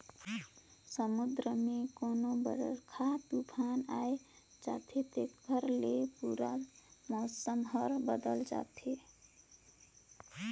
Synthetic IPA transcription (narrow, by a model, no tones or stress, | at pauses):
səmud̪ɾəmekonobə̰ɾ̰ɾkʰat̪upʰanaj | d͡ʒa̰t̪ʰet̪ekkəɾlepuɾamɔsəmɦʌɾbəd̪əld͡ʒa̰t̪ʰe